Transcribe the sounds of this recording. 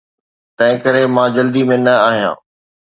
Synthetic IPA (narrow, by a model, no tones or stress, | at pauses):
t̪ɐ̃ɦɪ̃kɐɾemãːd͡ʑɐld̪imẽnɐaːɦijã̰ː